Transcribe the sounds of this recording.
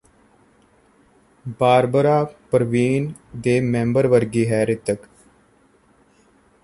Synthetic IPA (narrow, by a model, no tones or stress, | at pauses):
baːɾbəɾaːpəɾʋiːnd̪eːmẽːmbəɾʋəɾɡiːɦɛːɾɪt̪ək